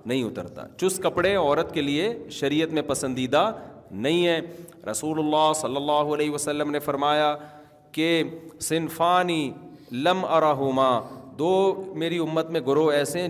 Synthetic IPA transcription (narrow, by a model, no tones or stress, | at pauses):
nɐɦĩʊt̪ə̰ɾt̪a̰ːt͡ʃʊskɐpɽeɔːɾət̪kelieʃɐɾiːət̪mẽpɐsə̃nd̪iːd̪anɐɦĩɦɛːɾʔɐsuːlʊlːaːɦsɐlːɐlːaːɦuɐlɛːɦiʋɐsɐlːəmnefɐɾmaːja | kesɪnfaːniː | lɐmɐɾaːɦʊmaːd̪oːmeːɾiʊmːət̪mẽɡʊɾoɛːseɦɛ̃